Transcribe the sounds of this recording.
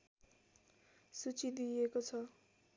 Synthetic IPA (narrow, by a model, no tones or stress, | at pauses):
sut͡sid̪iekot͡sʰʌ